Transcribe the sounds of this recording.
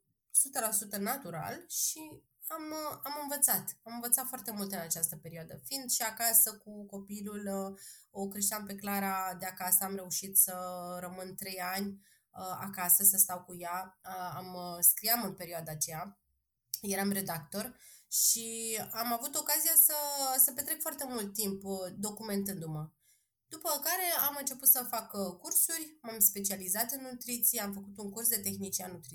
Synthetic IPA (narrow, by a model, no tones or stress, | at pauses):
sut̪əlasut̪ənat̪uɾa̰lʃi | amamɨnvət̪sat̪amɨnvət̪sat̪foart̪e̞mult̪ɨnat͡ʃast̪əpe̞ɾioad̪əfind̪ʃiakasəkuko̞pilul | o̞kɾeʃt̪ampe̞klaɾad̪eakasəamɾe̞uʃit̪səɾəmɨnt̪ɾe̞janʲ | əa̰kasəsəst̪awkujaəamskɾiamɨnpe̞ɾioad̪aːt͡ʃe̞ja | je̞ɾamɾe̞d̪akt̪o̞rʃiamavut̪o̞kazijasəsəpe̞t̪ɾekfoart̪e̞mult̪ːimpd̪o̞kume̞nt̪ɨnd̪umə | d̪̥upəkaɾe̞amɨnt͡ʃe̞put̪səfakkursurʲmamspe̞t͡ʃializat̪ɨnːut̪ɾit̪sijeamfəkut̪uŋkursd̪e̞t̪e̞xnit͡ʃianut̪ɾi